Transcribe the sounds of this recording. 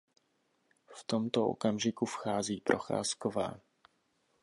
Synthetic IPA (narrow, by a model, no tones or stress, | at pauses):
ft̪omt̪oʔo̰kamʒɪkufxaːziːpɾʔo̞xa̰ːskova̰ː